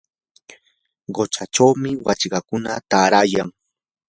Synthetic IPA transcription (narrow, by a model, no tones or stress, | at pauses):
ɢot͡ʃaʈ͡ʂawmɪwat͡ʃɢɑkʊnat̪aːɾaːjaŋ